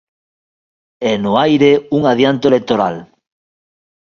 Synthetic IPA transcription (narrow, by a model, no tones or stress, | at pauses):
ɛnʊajɾeuŋað̞jant̪oelek̚t̪oɾa̰l